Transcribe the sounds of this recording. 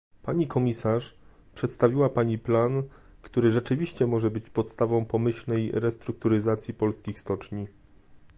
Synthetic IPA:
paɲikɔmʲisaʂ | pʂɛt̪st̪avʲiwapaɲiplan | kt̪uɾɘʐɛt͡ʂɘvʲiɕt͡ɕɛmɔʐɛbɘt͡ɕpɔt̪st̪avɔ̃w̃pɔmɘɕlnɛjɾɛst̪ɾuk̚t̪uɾɘzat̪sʲjipɔlskʲixst̪ɔt͡ʂɲi

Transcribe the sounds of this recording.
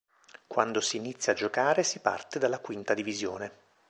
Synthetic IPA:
kwand̪osiːnit̪sːjad͡ʒokaːɾesipa̰rt̪ed̪alːakwint̪ad̪ivizjoːne

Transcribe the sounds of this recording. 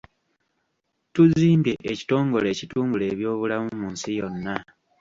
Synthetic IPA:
tuziːmbje̞ʔːci̥to̞ːŋɡo̞le̞ːcituːmbule̞ːβjo̞ːβulamumuːnsijo̞nːa

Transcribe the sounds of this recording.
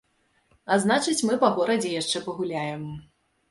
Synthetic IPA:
aznat͡ʂɨt͡sʲmɨpɐɣɔɾɐd͡zʲɛjaʂt͡ʂɛpɐɣulʲajɛm

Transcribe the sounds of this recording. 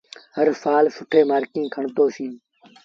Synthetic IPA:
həɾfaːlsʊʈʰeːmaːɾkĩːkʰəɳt̪oːsĩː

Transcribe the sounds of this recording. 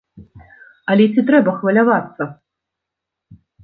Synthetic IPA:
ɐlʲɛt͡sʲit̪ɾɛbɐxvɐlʲavat̪sːɐ

